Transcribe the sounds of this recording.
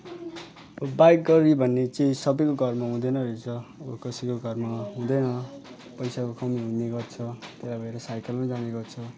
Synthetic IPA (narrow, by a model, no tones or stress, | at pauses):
ʌbajk̚ɡʌɾibʱʌnːet͡sʌĩsʌbʌjkoɡʱʌrmaɦũd̪ʌnʌɾet͡sʰʌakʌsikoɡʱʌrmaɦũd̪ʌnʌ | pʌjsakokʌmiɦũnːeɡʌrt͡sʰʌt̪elajbʌeɾʌsajkʌlmad͡zaneɡʌrt͡sʰʌ